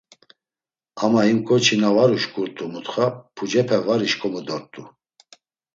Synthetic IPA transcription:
amaimkʼɔt͡ʃʰinavaɾuʃkʼuɾt̪ʼumut̪χapʰud͡ʒɛpʰɛvaɾiʃkʼɔmud̪ɔɾt̪ʼu

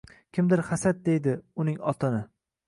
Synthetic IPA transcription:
kʲʰɪmd̪ɪɾχasat̪̚d̪ejd̪ɪʊnɪŋɒt̪ʰanɪ

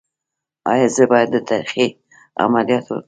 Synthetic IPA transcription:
ɑ̰jɑzəbɑjad̪ːət̪ʰɑɾixi | a̰malijɑt̪wə̰

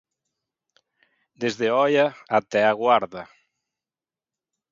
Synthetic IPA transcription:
d̪ezðeɔjaat̪ɛaɣwaɾðɐ

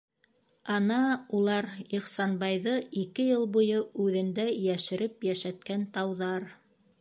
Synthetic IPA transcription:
ɑnɑulˠɑɾiχsɑnbɑjðɤikɘjɤlˠbujɤʉðɘ̆nd̪æjæʃɘ̆ɾɘpjæʃæt̪̚kænt̪ɑwðɑɾ

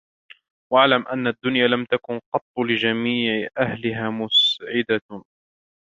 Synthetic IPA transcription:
waʕlamʔanːad̪ːʊnjaːlamt̪akʊnqɑt̪ˤːlɪd͡ʒamiːʕɪʔahlɪɦaːmʊsʕɪd̪a

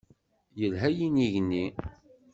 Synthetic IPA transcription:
jəlɦæjiniʝnːi

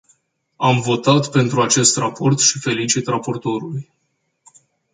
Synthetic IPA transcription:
amvo̞t̪at̪pe̞nt̪ɾuat͡ʃe̞st̪rapo̞rt̪ʃife̞lit͡ʃit̪rapo̞rt̪o̞ɾuluj

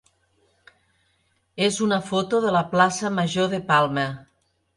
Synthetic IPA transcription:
ezunɐfot̪oðəlaplasəmaʒoðepalˠmə

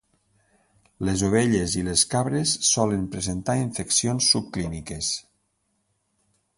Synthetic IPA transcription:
lezoβ̞eʎezileskaβɾesːɔləmpɾezent̪aiɱfeksionsːup̚klinikes

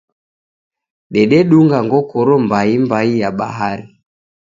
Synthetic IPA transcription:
ɗɛɗɛɗuŋɡaŋɡɔkɔɾɔmbaimbaijaɓa̰ɦaɾi

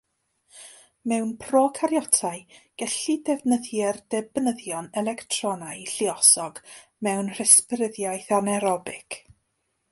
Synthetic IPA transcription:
mɛwnpʰrɔkʰaɾjɔtʰaɨɡ̥ɛɬidɛvnəðjɛrdɛbnəðjɔnɛlˠɛktʰrɔnajɬɪɔsɔɡ̥ | mɛwnr̥ɛsprɪðjajθanɛɾɔbɪkʰ

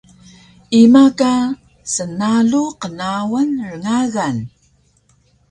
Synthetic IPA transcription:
imaka | sənaɮuqənawənrəŋaɣan

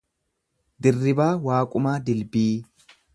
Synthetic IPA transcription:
d̪ɪrːɪbaːwaːkʼʊmaːd̪ɪlbiː

